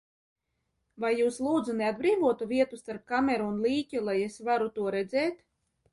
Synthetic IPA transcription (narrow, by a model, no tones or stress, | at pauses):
vajːuːslˠuːd̪zunead̪̚bɾiːvuɔt̪uvʲiɛt̪ust̪aɾp̚kamʲɛɾuːnliːcʲulˠajesvaɾut̪uɔɾɛd̪zɛːt̪